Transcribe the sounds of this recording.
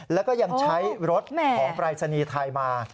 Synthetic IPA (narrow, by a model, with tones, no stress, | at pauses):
lɛː˦˥wkɔː˥˩ja˧ŋt͡ɕʰa˦˥jɾo˦˥t̪̚mʰ˧ɔː˩˦ŋpɾaː˧t̪̚t͡ɕʰa˧niː˧t̪ʰa˧jmaː˧